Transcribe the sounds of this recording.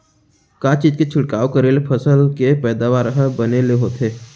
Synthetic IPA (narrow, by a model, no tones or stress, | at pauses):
kãːt͡ʃiːzket͡ʃʰʊʈkaːokəɾelepʰɐsəlkepɛːd̪aʋaːɾɦəbɐneleɦoːt̪eː